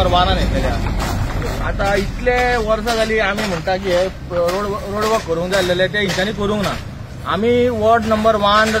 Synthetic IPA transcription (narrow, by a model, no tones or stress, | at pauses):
əɾʋananit̪elja̰ | a̰t̪ãit̪lẽʋəɾsãd͡zaliːamiːm̤əɳt̪ak̬ie | ɾoɽɾoɽbəkkːəɾũːŋkd͡zalelẽt̪̬eɦĩɲt͡ɕanikəɾũːŋkna | amiːʋəɾɖnəmbəɾʋan